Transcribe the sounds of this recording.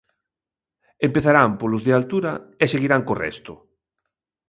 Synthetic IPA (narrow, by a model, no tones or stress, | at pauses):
empeθaɾampolʊzðealt̪uɾaeseɣiɾaŋkorɛ̰st̪ʊ̰